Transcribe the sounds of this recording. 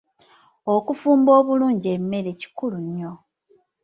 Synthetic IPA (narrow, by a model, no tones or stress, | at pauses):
okufuːmbo̞ːβuluːɲɟie̞mːe̞ɾe̞ci̥kuluɲːo̞